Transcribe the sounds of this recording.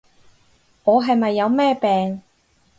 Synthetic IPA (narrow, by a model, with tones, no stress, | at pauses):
ŋɔː˨˧ɦɐ˨jmɐ˨jːɐ˨˧wmɛː˥pɛː˨ŋ